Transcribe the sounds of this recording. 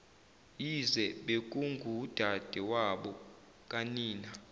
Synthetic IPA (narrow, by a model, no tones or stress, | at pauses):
izɛɓek̬ʼuŋɡʱuːd̥ʱad̥ʱɛwaɓɔ | kʼaniːna